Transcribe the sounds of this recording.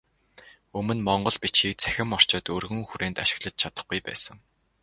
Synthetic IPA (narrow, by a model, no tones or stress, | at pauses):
ɵmɵ̆nmɔɴɢɞ̆ɮpit͡ɕxiːk̚t͡sʰæ̥xʲɪ̆mɔr̥t͡ɕɔ̆ːt̪ɵːrɣɵ̆ŋxuɾʔeːnt̪aʃɪ̆ɣɮə̆t͡ɕ̚t͡ɕʰat̪ə̆χɡujpæ̰ːsə̆ŋ